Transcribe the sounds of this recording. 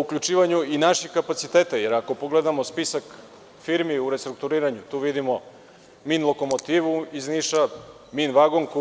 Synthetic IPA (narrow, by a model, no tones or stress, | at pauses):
ukʎut͡ʃiːʋaɲuinaʃixkapat̪sit̪eːt̪ajeɾako̞poɡled̪amospisak | fiɾmiuɾe̞st̪ɾuk̚t̪uɾiːɾaɲut̪uːʋid̪imo | minlˠo̞komot̪iːʋuizniʃa | minʋaɡoŋk